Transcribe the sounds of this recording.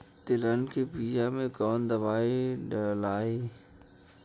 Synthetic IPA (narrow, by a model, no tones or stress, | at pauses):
t̪ɪlənkepiːjamẽkɔːnd̪ɐʋaːiɖɐlaːiː